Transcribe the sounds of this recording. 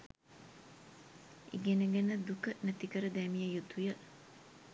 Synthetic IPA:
ʔḭɡenəɡænəd̪ukənæt̪ikəɾəd̪æːmijəjut̪ujəl

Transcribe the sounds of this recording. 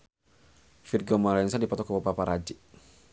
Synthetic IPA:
firɡɔmalainsadipɔt̪ɔkabapapaɾad͡ʒi

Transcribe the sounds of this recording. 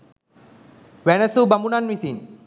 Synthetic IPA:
ʋɛnəsubɐmunanʋisin

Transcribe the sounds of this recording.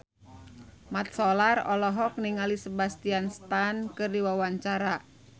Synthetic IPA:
mat̪̚sɔlarɔlɔɦɔk̚niŋalisəbast̪ianst̪ankɨrdiwawaɲt͡ʃaɾa

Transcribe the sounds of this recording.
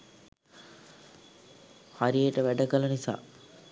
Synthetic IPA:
haɾieʈəʋæɖəkəlɐnisa̰ː

